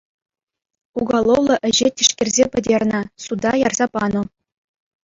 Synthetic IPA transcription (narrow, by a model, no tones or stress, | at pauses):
uɡɑlˠowlˠɤ̆ʔɘ̆ʑetʲiʂkʲĕrʲzʲepʲɘ̆dʲerʲnʲɘ̆sud̪ɑjɑrzɑpɑnŭ